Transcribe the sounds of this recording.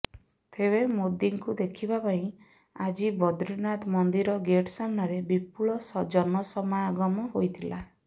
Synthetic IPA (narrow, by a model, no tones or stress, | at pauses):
t̪ʰeβemod̪iŋkud̪ekʰibapaĩ | ad͡ʒibɔd̪ɾinat̪mɔnd̪iɾɔɡeʈsamnaɾebipuɭɔsɔd͡ʒɔnɔsɔmaaɡɔmɔɦojt̪ʰila